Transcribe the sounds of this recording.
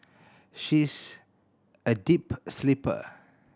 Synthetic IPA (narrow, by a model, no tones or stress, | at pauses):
ʃis | ədipslipə̰